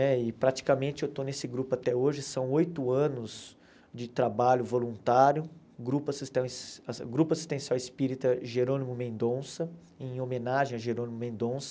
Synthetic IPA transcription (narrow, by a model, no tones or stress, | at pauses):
nɛɪpɾat͡ʃi̥kɐmẽnt͡ʃɪewt̪onesɪɡɾupʊat̪ɛoʒɪsɐ̃w̃ojt̪ʊɐ̃nʊz | d͡ʒɪt̪ɾabaʎʊvolũnt̪aɾjʊ | ɡɾupɐst̪ɐ̃ɡɾupɐst̪ẽj̃sɔɐɪspiɾit̪ɐʒeɾõnimʊmẽnd̪õsɐ | ẽj̃omẽnaʒẽj̃aʒeɾõnimʊmẽnd̪õsɐ